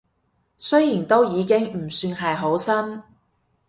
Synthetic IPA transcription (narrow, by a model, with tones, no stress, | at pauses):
sɵ˥jjiː˨˩nt̪o˥wjiː˨˧kɪ˥ŋm̩˨˩syː˧nɦɐ˨jɦo˨˥wsɐ˥n